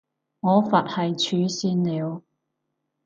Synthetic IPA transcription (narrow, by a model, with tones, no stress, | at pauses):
ŋɔː˨˧fɐ˨t̚hɐ˨jt͡ʃʰyː˨˧˥siː˧nliː˨˧w